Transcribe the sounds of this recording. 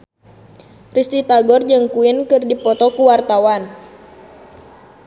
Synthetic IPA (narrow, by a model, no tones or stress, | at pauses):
rist̪it̪aɡɔrd͡ʒəŋkuɪnkɨrdipɔt̪ɔkuwart̪awan